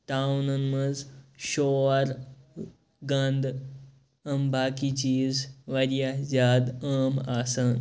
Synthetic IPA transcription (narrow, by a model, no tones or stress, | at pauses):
t̪aːwnɐnmɐd͡zʃoːɾ | ɡɐnd̪ | ɐmbʱaːkit͡ɕiːzʋɐɾjazaːd̪aːmaːsɐn